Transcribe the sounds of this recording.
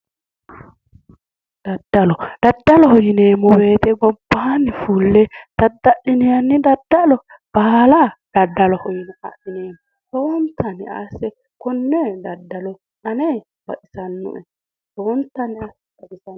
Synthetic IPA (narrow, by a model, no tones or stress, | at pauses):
d̪̥ɐd̪ːɐlɔd̪̥ɐd̪ːɐlɔhɔjɪneːmɔbe̞ːt̪ɛɡɔbːanɪfuːlːɛd̪̥ɐd̪ːɐʔɪnɪjɐnːɪd̪ɐd̪ːɐlɔ | b̥aːlad̪̥ɐd̪ːɐlɔhɔjɪnɛɐ̰ʔɪneːmɔ | tɔwɔnt̪ːɐnɪʔa̰sɛ | kɔnːɛd̪ɐd̪ːɐlɔ | ᶑɐnɛ | b̥ɐ̰ʔɪsɐnːʊ̰ʔɛ | tɔɔnt̪ːɐnɪasbɐʔɪsɐ